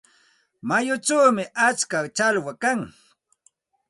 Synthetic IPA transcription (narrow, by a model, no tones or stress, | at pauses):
majʊt͡ʃawmɪʔat͡ʃkat͡ʃalwakaŋ